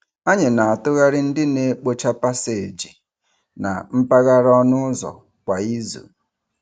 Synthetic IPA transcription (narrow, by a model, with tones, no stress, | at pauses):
a˦ɲɪ˨na˨a˨tʊ˦ɣa˦ɾɪ˦n̩˦dɪ˦ne˦k͡po˦t͡ʃa˦pa˦se˨d͡ʒi˨ | na̰˨m̩˦pa˦ɣa˦ɾɔ˦nʊ˦zɔ̰˨ | kʷa˨i˦zṵ˨